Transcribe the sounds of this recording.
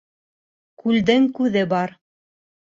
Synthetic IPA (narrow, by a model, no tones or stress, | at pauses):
kʉld̪ɘŋkʉðɘbɑɾ